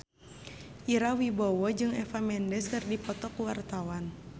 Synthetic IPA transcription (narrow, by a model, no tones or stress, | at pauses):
ʔiɾawibɔwɔd͡ʒɨŋɛfamɛndɛskɨrdipɔt̪ɔkuwart̪awan